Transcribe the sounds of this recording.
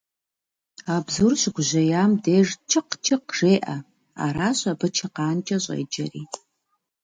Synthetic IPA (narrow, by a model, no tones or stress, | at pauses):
abzurɕʷɡʷʑʷɐjamdeːʐt͡ʃʰɨqt͡ʃʰɪqʐ̥eːʔa̰ | a̰ɾaːɕʷʼabɨt͡ʃʰɐqaːnt͡ʃʼɐɕʷʼɐ̰jd͡ʒɐ̰rḭː